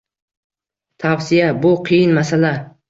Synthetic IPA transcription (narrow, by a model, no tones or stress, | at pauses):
t̪ʰavsijabʊqʰɨjɪnmasala